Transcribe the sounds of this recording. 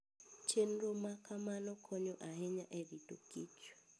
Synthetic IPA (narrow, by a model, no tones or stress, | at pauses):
t͡ʃʰen̩romakʰamanɔkʰɔɲɔʔaɦɛɲaʔeridʼokiːt͡ʃwɛ̥